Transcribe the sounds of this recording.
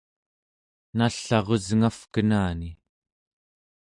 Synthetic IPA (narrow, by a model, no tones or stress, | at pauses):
naɬːɑʁozŋafkənaːni